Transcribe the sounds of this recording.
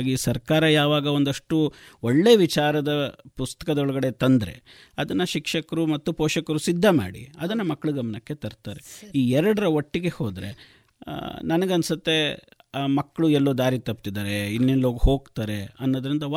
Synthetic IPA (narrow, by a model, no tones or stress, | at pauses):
ɡisɐɾkaːɾɐjaːʋaːɡɐond̪ɐʂʈuoɭːe̞ːʋit͡ʃaːɾɐd̪ɐpust̪ɐ̥kɐd̪ɐɔɭɐɡɐɽe̞t̪ɐnd̪ɾe̞̰ | ɐd̪ɐnːɐʃikʂɐkɐɾumɐt̪ːupoːʃɐkɐɾusid̪ʱːɐma̰ːɽḭɐd̪ɐnːɐmɐkːɐɭuɡɐmɐnɐkːe̞t̪ɐɾt̪aːɾe̞iːɛɾɐɽɐɾɐoʈːiɡe̞ho̞ːd̪ɾe̞̰ | nɐnɐɡɐnsɐt̪ːe̞ | mɐkːɐɭuɛlːoːd̪aːɾit̪ɐp̚t̪id̪aːɾe̞inːinloːɡɦo̞ːɡt̪aːɾe̞ɐnːoːd̪ɐɾind̪ɐʋ